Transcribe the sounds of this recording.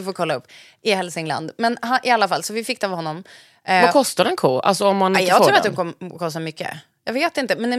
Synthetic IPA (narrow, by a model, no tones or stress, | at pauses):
foːɾkʰɔlːaɵpː | ɪhɛlsɪŋla̰nd̪mɛnɦaʔɪalːafalsɔvɪfɪkːd̪avhɔnːɔm | vakʰɔst̪aɾɛnkʰoːʔa̰lsɔɔmːanj̪ʰɑːɡt̪ʰːuːɾat̪̚hʊnkʰɔmkʰɔst̪amʏkːə̰ | jɑɡveːt̪ɪnt̪əmɛnɛ